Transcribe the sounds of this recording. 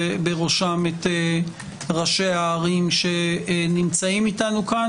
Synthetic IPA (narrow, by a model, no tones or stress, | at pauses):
beʁoʃamete | ʁaʃeaːʁimʃe̞nimt͡saimitanuka